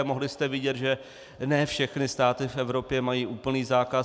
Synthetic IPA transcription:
moɦlɪst̪ɛvɪɟɛt̪ʒɛ | nɛːfʃɛxnɪst̪aːt̪ɪfʔɛvɾo̞pjɛmajiːʔuːpl̩niːzaːka

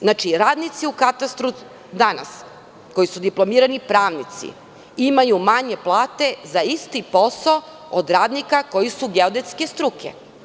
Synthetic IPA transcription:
znat͡ʃiɾaːd̪nit̪siukat̪ast̪ɾu | d̪ana̰s | ko̞jisud̪iplˠo̞miːɾanipɾaːʋnit̪sḭ | imajumaɲe̞plˠaːt̪e̞zaist̪ipo̞sao | od̪ɾaːd̪nikako̞jisuɡeod̪et̪ske̞st̪ɾukʰḛ

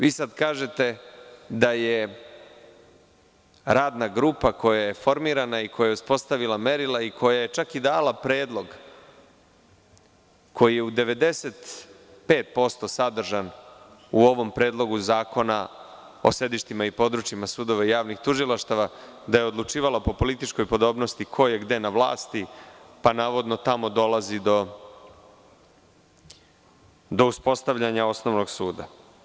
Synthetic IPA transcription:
ʋiːsad̪kaːʒe̞t̪e̞d̪aje | ɾaːd̪naɡɾupako̞jaje̞fo̞ɾmiːɾanaikojaje̞uspo̞st̪aʋilˠame̞ɾilˠaikʰo̞jaje̞t͡ʃakid̪aːlˠapɾe̞ːd̪lˠo̞ɡ | kʰo̞jijeud̪e̞ʋe̞d̪e̞set̪ | pe̞ːt̪̚po̞st̪o̞sad̪r̩ʒan | uo̞ʋo̞mpɾe̞ːd̪lˠo̞ɡuzaːko̞na | o̞̰se̞d̪iʃt̪imaipo̞d̪ɾut͡ʃimasuːd̪o̞ʋaijaːʋnixt̪uʒilˠaʃt̪aʋa | d̪ajeod̪lˠut͡ʃiːʋalapo̞po̞lit̪it͡ʃko̞jpo̞d̪o̞ːbnost̪ikʰo̞jeɡd̪e̞naʋlˠa̰ːst̪ipanaːʋo̞d̪no̞t̪amo̞d̪o̞lazid̪o̞ | d̪o̞uspo̞st̪aʋʎaɲao̞snoʋnoɡsuːd̪a

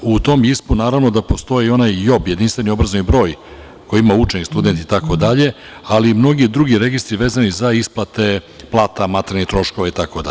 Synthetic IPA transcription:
ut̪o̞mispunaːɾavno̞d̪apo̞st̪o̞jeo̞najːo̞bje̞d̪inst̪ve̞nio̞bɾazonibɾo̞ːj | ko̞jiimaut͡ʃenikst̪ud̪ent̪it̪ako̞d̪aʎe̞ | alimno̞ɡid̪ɾuɡiɾe̞ɡist̪ɾiʋeːzanizaisplˠat̪e̞ | plˠaːt̪amat̪ɾenet̪ɾo̞ʃko̞ʋait̪ako̞d̪a̰ʎe

